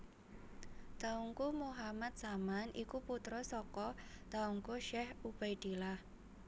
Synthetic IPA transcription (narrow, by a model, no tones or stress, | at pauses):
t̪auŋkumuɦamat̪̚samanʔikuput̪ɾɔsɔkɔt̪auŋkuʃɛhub̥ajd̪̥ilah